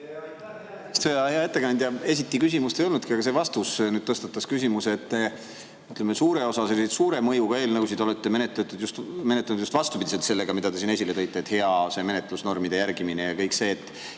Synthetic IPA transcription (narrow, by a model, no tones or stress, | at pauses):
i̥st̪veɑheɑe̞t̪ːe̞kɑnʲd̪̥ʲjɑe̞s̬it̪ːˑikysimust̪ejo̞lnud̪kiɑɡ̥ɑse̞vɑst̪usnyd̥̪̚t̪ɤst̪ɑt̪ːˑɑskysʲimuset̪ːe | yt̪ːˑlemesuːɾe̞o̞sɑse̞lːiset̪suːɾe̞mɤjuɡ̥ɑe̞ːlnɑkusid̪eo̞let̪ːe̞me̞net̪ːˑet̪ːˑud̪just̪me̞net̪ːˑɑnud̪̥ust̪vɑst̪ub̥id̪ise̞lt̪se̞lːe̞ɡ̥ɑmid̪̥ɑd̪e̞sine̞s̬ʲilet̪ɤ̞jt̪ːˑeːt̪he̞ɑse̞me̞net̪ˑlusno̞rmid̪̥e̞jærɡiminejɑkɤjkse̞ːt̪ːˑ